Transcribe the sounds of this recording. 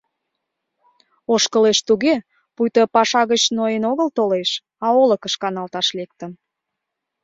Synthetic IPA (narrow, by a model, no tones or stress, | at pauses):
oʃkəleʃt̪uɣe | pujt̪əpɑʃɑɣət͡ɕnoenoɣəlt̪oleʃ | ɑoləkəʃkɑnɑlt̪ɑʃlek̚t̪ə̆m